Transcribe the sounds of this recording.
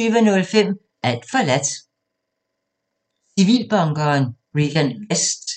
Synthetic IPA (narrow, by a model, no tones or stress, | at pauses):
yːʋənɔ̽lfem̰ | ʔæl̰d̥fɒlæd̥ | siʋḭːlb̥ɑ̈ŋɡ̥ɐːn | ʁiɡ̥ænʋesd̥